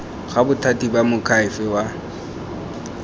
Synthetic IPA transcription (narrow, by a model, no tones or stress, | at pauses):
ɣabʊtʰatʼibamʊkʰaɪfɛwa